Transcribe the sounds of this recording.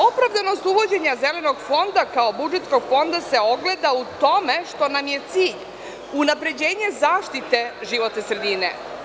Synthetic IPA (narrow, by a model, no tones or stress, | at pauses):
o̞pɾavd̪ano̞st̪uʋo̞d͡ʑe̞ɲaze̞le̞no̞ɡfo̞nd̪akaobud͡ʒet̪sko̞ɡ̥fo̞nd̪ase̞o̞ɡle̞d̪aut̪o̞me̞ʃt̪o̞namje̞t̪siːʎ | unapɾe̞d͡ʑe̞ːɲe̞zaːʃt̪it̪e̞ʒiʋo̞t̪nesɾed̪inḛ